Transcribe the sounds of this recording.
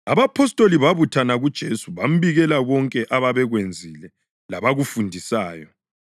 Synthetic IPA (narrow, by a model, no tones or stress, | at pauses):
aβapʰɔstʼoliβaβutʰanaɣud̥ʒ̥ʱesuβam̩βiɣɛlaβɔŋkʼɛʔaβaβɛɣwend͡zʱilɛ | laβaɣufundʱisaːjɔ